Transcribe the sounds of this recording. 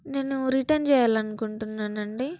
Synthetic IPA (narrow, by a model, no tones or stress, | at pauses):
neːnːuɾiʈɐnt͡ʃɛːjaːlɐnukuɳʈunːaːnɐɳɖi